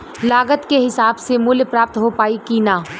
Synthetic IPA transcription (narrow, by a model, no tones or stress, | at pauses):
laːɡət̪keɦɪsaːbsemʊljpɾaːp̚t̪ɦopaːikinaː